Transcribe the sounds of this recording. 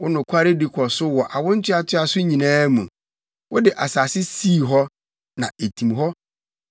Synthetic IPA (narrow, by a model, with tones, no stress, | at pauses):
wʊ˦nʊ̃˨kʷʰa˦ɾɪ˦dɪ˨kʰɔ˨sʊ˦wɔ˨ʔa˨wʊ̃˦n̩˦tʰɪ˦a˦tʰɪ˦a˨sʊ˦ɲĩ˨nãː˦mũ˨ | wʊ˦dɪ˨ʔa˨sa˨sɪ˦siː˦˨ɦɔ˦ | nã˨e˨tʰĩ˨mɦɔ˦